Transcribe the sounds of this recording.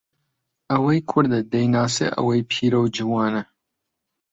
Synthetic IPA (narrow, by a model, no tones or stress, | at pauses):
ɐwɐjkʰʊɾd̪ɐd̪ɐjnaːsḛʔɐ̰wɐjpʰiːɾɐwd͡ʒiwɑːnɐ